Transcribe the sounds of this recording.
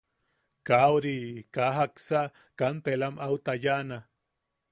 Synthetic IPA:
kawɾikaɦaksaʔ | kant̪elamawt̪ajaʔna

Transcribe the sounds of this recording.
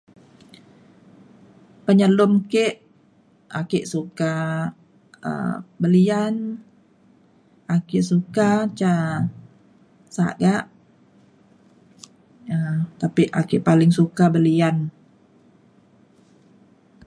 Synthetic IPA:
pəɲəlʊmkeʔ | ʔakɪʔsuka | ə̰bəlian | akɪʔsukat͡ʃa | sa̰ɡaʔ | ət̪apiʔakɪʔpalɪŋsukabəlian

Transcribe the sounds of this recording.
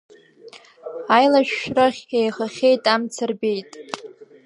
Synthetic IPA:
ajlaʃᶣʃraχʲejχaχʲejtʼamt͡sʰɨrbʲe̞jtʼ

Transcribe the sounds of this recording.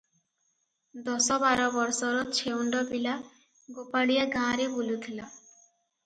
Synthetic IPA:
d̪ɔsɔbaɾɔbɔɾsɔɾɔt͡ʃʰeuɳɖɔpila | ɡopaɽiaɡãɾebulut̪ʰila

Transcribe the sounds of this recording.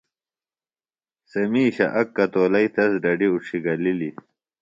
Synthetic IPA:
sɐmiːɕɐ̰ʔɐkːɐt̪oːlɐjt̪ɐsɖɐɖiuʂʰiɡɐlili

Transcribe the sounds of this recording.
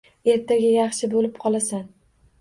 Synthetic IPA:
e̞ɾt̪ʰaɡʲɪjɑχʃɪbolɪp̚qʰɒlˠasan

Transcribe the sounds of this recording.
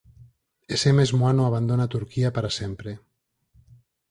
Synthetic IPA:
esemezmoanuaβ̞and̪onat̪uɾkiapaɾasempɾe

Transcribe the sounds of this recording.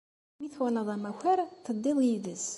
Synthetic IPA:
miθwæləðˤæmæçæɾθəd̪ˤːiðˤjiðəs

